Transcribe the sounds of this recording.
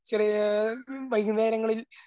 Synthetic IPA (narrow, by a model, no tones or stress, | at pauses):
t͡ɕeri | ʋɐjɣuneːɾɐŋːɐɭil